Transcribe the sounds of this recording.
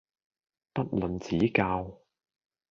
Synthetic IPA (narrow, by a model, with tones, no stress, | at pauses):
pɐ˥t̚lɵ˨˩nt͡siː˨˥kaː˧w